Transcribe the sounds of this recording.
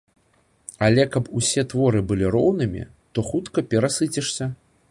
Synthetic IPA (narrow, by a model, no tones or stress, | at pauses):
alʲɛkɐpusʲɛt̪vɔɾɨbɨlʲirɔwnɨmʲḭ | t̪ɔxut̪kɐpʲɛɾasɨt͡sʲɛʂsʲɐ